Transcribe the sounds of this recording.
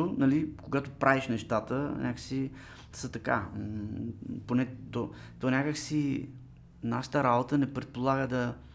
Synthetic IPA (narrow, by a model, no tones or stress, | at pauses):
ʊnɐlikoɡat̪opɾʔaviʃnɛʃt̪at̪ənʲʔakəsi | sət̪ɐka̰ | ponɛt̪ɔ | t̪ɔnʲakəksi | naʃə̥t̪əɾabot̪ənɛpɾɛt̪̚polˠaɡəd̪ɐ